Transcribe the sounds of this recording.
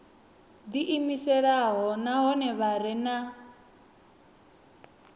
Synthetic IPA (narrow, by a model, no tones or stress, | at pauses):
d̪iʔimisɛɺaɦɔnaɦɔnɛβaɾɛna